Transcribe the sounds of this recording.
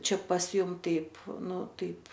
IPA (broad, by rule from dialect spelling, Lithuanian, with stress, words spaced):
ˈt͡ʃʲɛ pɐs ˈjʊm ˈtɐɪp ˈnʊ ˈtɐɪp